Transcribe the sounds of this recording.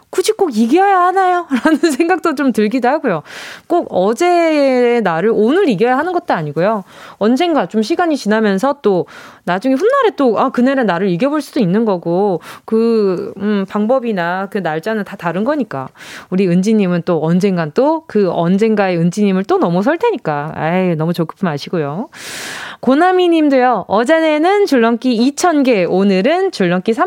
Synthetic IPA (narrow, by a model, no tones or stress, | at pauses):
kud͡ʑʰik͈oɡiɡiɦajahanajoɾanɯns̬ʰe̞ŋɡak̚t͈ot͡ɕomtɯɭɡidoɦaɡojok͈oɡʌd͡ʑe̞enaɾɯɭonɯɾiɡiɦajaɦanɯnɡʌt̚t͈oaɲiɡojoʌnd͡ʑe̞ŋɡat͡ɕomɕ̬ʰiɡaɲit͡ɕinamjʌns̬ʰʌt͈onad͡ʑuŋeɸunːaɾe̞t͈oakɯneɾanaɾɯɾiɡjʌboɭs͈udoinːɯnɡʌɡokɯ | paŋbʌbinakɯnaɭt͡ɕ͈anɯntataɾɯnɡʌɲik͈a̰uɾiɯnd͡ʑiɲimɯnt͈oʌnd͡ʑe̞ŋɡant͈okɯʌnd͡ʑe̞ŋɡaeɯnd͡ʑiɲimɯɭt͈onʌmus̬ʰʌɭtʰe̞ɲik͈aa̰nʌmut͡ɕokʰɯ̥pʰɯmaɕʰiɡojo | konamiɲimdejʌʌd͡ʑene̞nɯnt͡ɕuɭːʌŋk͈iit͡ɕʰʌnɡe̞onɯɾɯnt͡ɕuɭːʌŋk͈isʰa